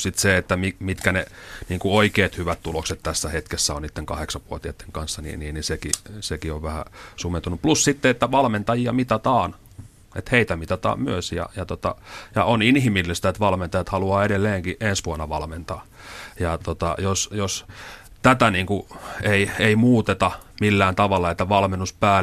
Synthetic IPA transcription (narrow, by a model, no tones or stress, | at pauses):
sit̪seet̪ːæmimit̪kæneniːŋkuoikeːt̪hyʋæt̪t̪ulokset̪t̪æsːæhet̪kesːæonit̪ːeŋkɑheksɑʋʋuot̪iɑt̪ːe̥ŋkɑnsːɑnḭːnḭːnnisekḭsekioʋʋæhæ̰sument̪unuplussit̪ːeet̪ːæʋɑlment̪ɑjiɑ̰mit̪ɑt̪ɑːn | ḛt̪heit̪æmit̪ɑt̪ɑ̰ːmmyøsjɑ̰jɑt̪ot̪ɑ̰jɑ̰oninhimilːist̪æet̪ʋɑlment̪ɑjɑt̪hɑluɑːeɾelːeːŋkiʔensʋuɑnːɑʋɑlment̪ɑː | jɑt̪ot̪ɑjosjos | t̪æt̪æniːŋkueieimuːt̪et̪ɑmilːæːnt̪ɑʋɑlːɑet̪ːæʋɑlmenːuspæː